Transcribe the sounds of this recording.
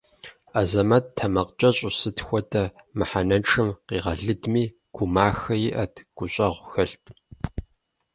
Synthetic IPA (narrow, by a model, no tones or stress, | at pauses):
azɐmɐttʰɐmɐqt͡ʃʼɐɕʼʊsɨtxʷɔtʰɐmɨħanɐnʈ͡ʂʰɨmqiːʁɐɮɨdmiː | ɡ̥ʷʰumaːxɐjɪʔɐtʰɡ̥ʷʊɕʼɐʁʷxɐɬtʰʼ